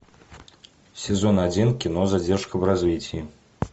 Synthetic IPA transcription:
sʲɛzɔnad͡zʲinkʲinɔzad͡zʲɛrʂkɐbrazʲvʲit͡sʲi

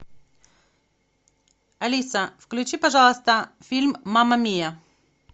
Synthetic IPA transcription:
ɐlʲisəfklʲʉt͡ɕipɐʐalˠəst̪əfʲilʲmːaməmʲejə

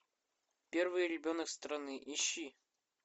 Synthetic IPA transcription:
pʲervɨjɾʲɪbʲonəkst̪ɾɐnɨʔiɕːi

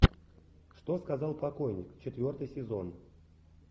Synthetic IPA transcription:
ʂt̪oskɐzɑlˠpɐko̞jnʲɪkt͡ɕɪt̪vʲo̞rt̪ɨjsʲɪzo̞n

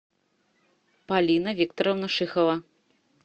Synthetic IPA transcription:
palʲinɐvʲikt̪ɔɾɐwnɐʂɨxɐvɐ

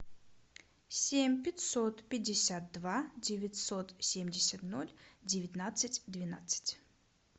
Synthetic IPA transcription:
sʲemʲpʲɪtʲsot̪pʲɪdʲɪsʲat̪̚d̪vadʲɪvʲɪtʲsot̪sʲemʲdʲɪsʲət̪nolʲdʲɪvʲɪt̪ʲnat̪sɨtʲd̪vʲɪna̰t̪sɨ̥tʲ

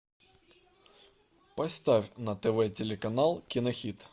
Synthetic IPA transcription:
pɐst̪afʲnɐt̪ɛvɛtʲelʲɪkɐnalˠkʲɪnɐxʲit̪

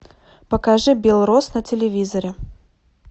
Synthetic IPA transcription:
pəkɐʐɨbʲɪlˠɾosnətʲɪlʲɪvʲizəɾʲɪ

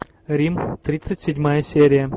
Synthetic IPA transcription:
ɾʲimt̪ɾʲit̪sɨtʲsʲɪdʲmajəsʲeɾʲɪjə

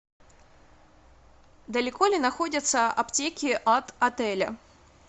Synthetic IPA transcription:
d̪əlʲɪko̞lʲɪnɐxo̞dʲət̪səɐ̰ptʲekʲɪʔɐt̪ɐt̪ɛlʲə̰

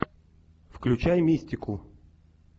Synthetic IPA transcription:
fklʲʉt͡ɕajmʲisʲtʲɪkʊ

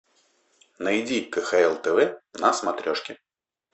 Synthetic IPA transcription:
nɐjd͡zʲikəxaɛlˠt̪ɛvɛnasmɐt̪ɾʲɔʂkʲɪ

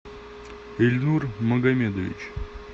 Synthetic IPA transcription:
elʲnurmɐɡɐmʲed̪əvʲḭt͡ɕ

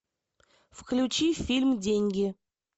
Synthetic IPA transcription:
fklʲʊt͡ɕifʲilʲmdʲenʲɡʲɪ

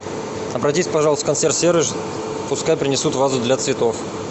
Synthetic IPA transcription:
ɐbɾɐtʲisʲpɐʐɑlˠəst̪kɐnsʲert̪sʲeɾɨʐ | pʊskajpɾʲɪnʲɪsut̪vazʊd̪lʲat̪svʲɪt̪of

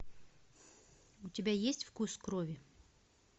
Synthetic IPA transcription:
ʊtʲɪbʲajesʲtʲfkuskɾovʲɪ

